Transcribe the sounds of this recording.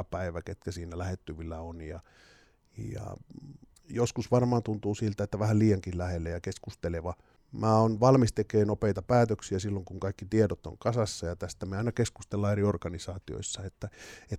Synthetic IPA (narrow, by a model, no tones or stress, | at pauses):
pæiʋæket̪kæsiːnælæhet̪ːyʋilːæonjɑ̰ | jɑ̰ | joskusʋɑrmɑːnt̪unt̪uːsilt̪æet̪ːæʋæhælliːjɑŋkillæhelːejɑkeskust̪eleʋɑ | mæːonʋɑlmist̪ekeːnopeˑit̪ɑpæːt̪øksiæsilːoŋkuŋkɑikːit̪iedot̪o̰ŋkɑsɑsːɑjɑt̪æst̪æmeɑˑinɑkeskust̪elːɑːeriorkɑnisɑːt̪io̰isːɑet̪ːæe